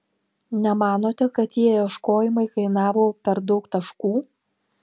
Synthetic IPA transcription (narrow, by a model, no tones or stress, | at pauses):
nʲɛmɑːnoːt̪ʲɛkɐt̪jʲiɛjɛʃkoːjɪmɐɪkɐɪnɑːʋoːpʲɛɾd̪ɒʊkt̪ɐʃkuː